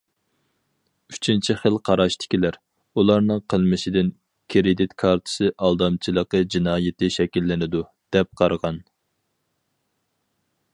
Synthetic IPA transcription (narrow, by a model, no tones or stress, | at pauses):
yt͡ʃʰint͡ʃʰiχəlˠqʰɑɾɑʃt̪ʰɪ̥kʲilæɾ | ulˠɑɾnɨŋqʰəlˠmɪʃɪd̪ɪn | kʲʰɾɪd̪ɪt̪kʰɑɾt̪ʰɨ̥sɨʔɑlˠd̪ɑmt͡ʃʰilˠəqəd͡ʒinɑːjɪt̪ʰɪʃɛkʲilːɪnɪd̪u | d̪̥ɛp̚qʰɑɾʁɑn